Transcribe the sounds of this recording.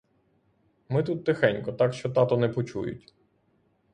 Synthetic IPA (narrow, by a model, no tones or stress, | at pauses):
mɪt̪ut̪ːɪxɛnʲkɔt̪ɑkʃt͡ʃɔt̪ɑt̪ɔnɛpɔt͡ʃṵjʊ̰tʲ